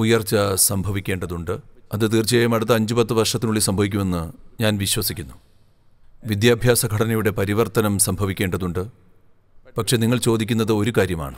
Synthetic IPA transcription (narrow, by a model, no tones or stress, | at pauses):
ujɐrt͡ɕːɐsɐmbʱɐʋikʲːe̞ːɳɖɐðuɳɖɨɐðɨt̪̬iːrt͡ɕiejumɐɽut̪̬ːɐɐɲd͡ʑupɐt̪ːɨʋɐrʂɐt̪ːinuɭːisɐmbʱɐʋik̬ʲːume̞nːɨɲaːnʋiɕwɐsikʲːunːu | ʋid̪jaːbʱjaːsɐɡʱɐɽɐnɐjuɽe̞pɐɾiʋɐrt̪ːɐnɐmsɐmbʱɐʋikʲːe̞ːɳɖɐðuɳɖɨ | pɐkʂe̞niŋːɐɭt͡ɕo̞ːd̪ikʲːunːɐðɨo̞ɾukaːɾjɐma̰ːɳɨ